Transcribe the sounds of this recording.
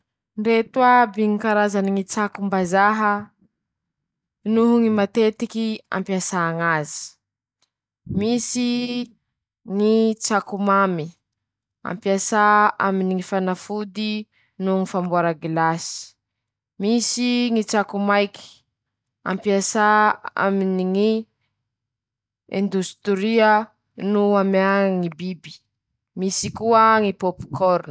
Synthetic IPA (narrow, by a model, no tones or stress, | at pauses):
nret̪uabiŋikaɾazaniŋit͡sakumbazaɦə | nuɦuŋimat̪et̪ikia̰mpiasaŋazi̥ | misi | ŋit͡sakumami | a̰mpiasaaminiŋifanafud̪i | nuŋifambuaɾaɡilasi̥ | misiŋit͡sakumajki̥ | a̰mpiasaa̰miniŋi | ẽnd̪ust̪ɾiə | nuamaŋibibi̥ | misikuəŋipopi̥kʰɔɾn